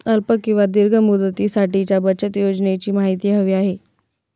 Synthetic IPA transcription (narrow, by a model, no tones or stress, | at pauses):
əlpəkːĩw̃ʋad̪iɾɡʱəmud̪ət̪iːsaʈit͡ɕjabət͡ɕət̪jod͡zɳet͡ɕiːmaɦit̪iːɦəʋiːaɦe